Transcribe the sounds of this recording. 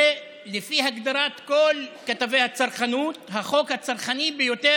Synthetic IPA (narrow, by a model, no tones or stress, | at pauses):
e | lefihaɡd̪aɾat̪ko̞lkat̪avejhat͡saʁχanuthaχo̞khat͡saʁχanibejo̞t̪e